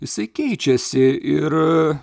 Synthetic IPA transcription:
jɪsɐɪkʲɛɪt͡ʃʲɛsʲɪʔɪr

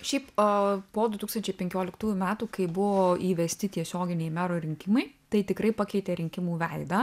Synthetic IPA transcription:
ʃʲɛɪppoːd̪ʊt̪uːksɐnʲt͡ʃʲɛɪpʲɛŋʲkʲoːlʲɪkt̪uːjʊmʲæːt̪uːkɐɪbʊʋoːiːʋʲɛsʲt̪ʲɪt̪ʲiɛsʲoːɡʲɪnʲɛɪmʲæːɾoːɾʲɪŋʲkʲɪmɐɪt̪ɐɪt̪ʲɪkɾɐɪpɐkʲɛɪt̪ʲɛɾʲɪŋʲkʲɪmuːʋʲɛɪd̪ɐ

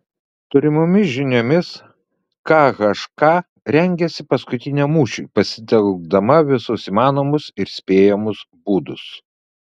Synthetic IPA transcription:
t̪ʊɾʲɪmʊmʲɪsʒʲɪnʲoːmʲɪs | kɑːkɐʃkɑː | ɾʲɛŋʲɡʲɛsʲɪpɐskʊt̪ʲɪnʲɛmuːʃʲṵːpɐsʲɪt̪ʲɛlˠɡ̚d̪ɐmɐʋʲɪsʊsiːmɑːnoːmʊsɪɾsʲpʲeːjɛmʊs | buːd̪ʊs

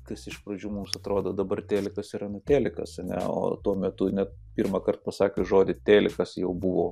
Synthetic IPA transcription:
kɐsɪʃpɾɐd͡ʒʲuːmumsɐt̪ɾoːd̪oːd̪ɐbɐrt̪ʲeːlʲɪkɐsiɾɐnʊt̪ʲæːlʲɪkɐ̰sɐnʲɛ̰o̰ːt̪uɔmʲɛt̪ʊnʲɛt̪̚ | pʲiːrmɐkɐrt̪̚pɐsɑːkʲeʒoːd̪ʲɪt̪ʲeːlʲɪkɐsjɛʊbuʋoː

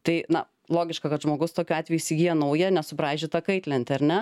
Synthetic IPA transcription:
t̪ɐɪnɐ̰ | lˠoːɡʲɪʃkɐkɐt̪ʒmoːɡʊst̪oːkʲʊɑːt̪ʲʋʲɛjuiːsʲɪɡʲiːjɛnɐʊjɛnʲɛsʊbɾɑːʒʲɪt̪ɐkɐɪt̪ʲlʲɛnʲt̪ʲɪɐɾʲnʲɛ

